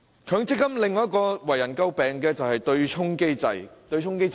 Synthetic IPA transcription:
kʰœː˨˧˥ŋt͡sɪ˥k̚ːɐ˥mlɪ˨ŋːɔː˨˦jɐ˥t̚kɔː˧wɐ˨˩jɐ˨˩nkɐ˥wpɛː˨˩ŋkɛː˧t͡sɐ˨whɐ˨jt̪ɵ˧ɥt͡ʃʰʊ˥ŋke˥jt͡sɐ̰˨jt̪ɵ˧ɥt͡ʃʰʊ˥ŋke˥j

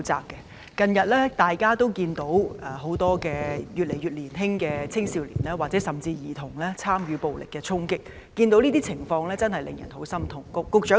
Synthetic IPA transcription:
t͡sa̰ː˨p̚kːɛ˧ | kɐ˨˧njɐ˨t̚lɛː˥t̪aː˨jkaː˥t̪o˥wkiː˧nt̪o˨˥wɛ˨˧ɦo˨˥wt̪ɔː˥kɛː˧jyː˨t̚le˨˩jɥyː˨t̚liː˨˩nɦɪ˥ŋkɛː˧t͡sʰɪ˥ŋsiː˨˧wlḭː˨˩nlɛː˥waː˨k̚t͡sɛː˨˥sɐ˨mt͡siː˧jiː˨˩t̪ʰʊ˨˩ŋlɛː˥t͡sʰaː˥mjyː˨˧po˨wlɪ̰˨kːɛː˧t͡sʰʊ˥ŋkɪ˥k̚ː | iː˧nt̪o˨˥wniː˥t̪i˥t͡sʰɪ˨˩ŋfɔː˧ŋlɛː˥t͡sɐ˥nhɐ˨jlɪ̰˨ŋjɐ˨˩nho˨˥wsɐ˥mt̪ʰʊ˨˩ŋkʊ˥kːʊ˧k̚t͡ʃœː˨˥

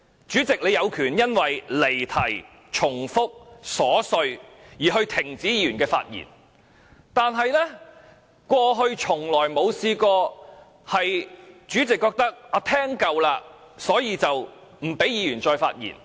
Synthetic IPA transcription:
t͡ʃyː˨˥t͡sɪ˨k̚le˨˧jɐ˨˧wkʰyː˨˩njɐ˥nwɐ˨jle˨˩jt̪ʰɐ˨˩j | t͡ʃʰʊ˨˩ŋfʊ˥k̚sɔː˨˥sɵ˧ɥjiː˨˩ɦɵ˧ɥt̪ʰɪ˨˩ŋt͡siː˨˥jiː˨˧jyː˨˩nkɛː˧fa̰ː˧t̚jḭ˨˩n | t̪aː˨nɦɐ˨jlɛ˥ | kʷɔː˧ɦɵ˧ɥt͡ʃʰʊ˨˩ŋlɔː˨˩jmo˨˧wsiː˧kɔː˧ | hɐ˨jt͡ʃyː˨˥t͡sɪ˨kːɔː˧k̚t̪ɐ˥k̚aː˧t̪ʰɛː˥ŋkɐ˨wlaː˧ | sɔː˨˥jiː˨˧t͡sɐ˨w | m̩˨˩pe˨˥jiː˨˧jyː˨˩nt͡ʃɔː˧jfa̰ː˧t̚jḭː˨˩n

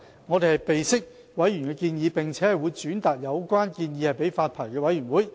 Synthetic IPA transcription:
ŋɔː˨˧t̪e˨jhɐ˨jpe˨jsɪ˥k̚ | wɐ˨˥jyː˨˩nkɛ˧kiː˧njiː˨˧pɪ˨˩ŋt͡sʰɛː˨˥hɐ˨jwuː˨˧jt͡syː˨˥nt̪aː˨k̚jɐ˨˧wkʷaː˥nkiː˧njiː˧hɐ˨˩jpe˨˥jfaː˧t̚pʰaː˨˩jkɛː˧wɐ˨˧˥jyː˨˩nwuː˨˥j

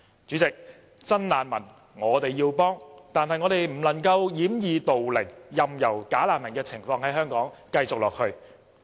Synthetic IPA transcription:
t͡ʃyː˨˥t͡sɪ˨k̚ | t͡sɐ˥nlaː˨˧nmɐ˨˩n | ŋɔː˨˧t̪e˨jːiː˧wpɔː˥ŋt̪aː˨nhɐ˨jŋɔː˨˧t̪e˨jm̩˨˩lɐ˨˩ŋkɐ˧wjiː˨˥mjiː˨˧t̪o˨wlɪ˨˩ŋjɐ˨mjɐ˨˩wkaː˨˥laː˨nmɐ˨˩nkɛː˧t͡sʰɪ˨˩ŋfɔː˧ŋɦɐ˨˥jɦœː˥ŋkɔː˨˥ŋkɐ˧jt͡sʊ˨k̚lɔː˨k̚hɵ˧ɥ

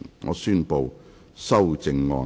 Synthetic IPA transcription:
ŋɔ̰ː˨˧syː˥npo˨˧w | sɐ˥wt͡sɪ˧ŋːɔ̰ː˧

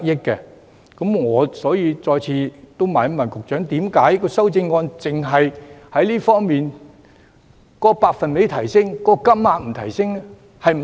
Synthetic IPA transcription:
k̚jɪ˥kːɛ˧ | kɐ˨˥mŋɔː˨˧sɔː˨˥jiː˧t͡sɔː˧jt͡sʰiː˧t̪o˥wmaː˨˧n˥mɐ˨˩nkʊ˨k̚t͡ʃœː˨˥ŋt̪iː˨˥mkaː˨˥jkɔː˧sɐ˥wt͡sɪ˧ŋːɔː˧nt͡sɪ˨ŋɦɐ˨jhɐ˨˥jliː˥fɔː˥ŋmiː˨n | kɔː˨˥paː˧k̚fɐ˨nme˨˥jt̪ʰɐ˨˩jsɪ˥ŋkɔː˧˥˧kɐ˥m̚maː˨˧t̚m̩˨˩t̪ʰɐ˨˩jsɪ˥ŋ | hɐ˨jm˨

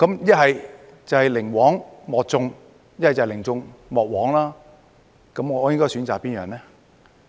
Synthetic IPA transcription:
kɐ˨˦˥mjɐ˥t̚hɐ˨j | t͡sɐ˨˩whɐ˨jlɪ˨˩ŋwɔː˨˥ŋmɔː˨k̚t͡sʊ˧ŋ | j̚hɐ˨jt͡sːlɪ˨˩ŋt͡sʊ˧ŋmɔː˨˩k̚wɔː˨˥ŋlaː˥ | kɐ˨˦˥mŋɔː˧˨˧jɪ˥ŋkɔː˥jsyː˨˥nt͡saː˨kpiː˥njœː˨˩ŋnɛː˥

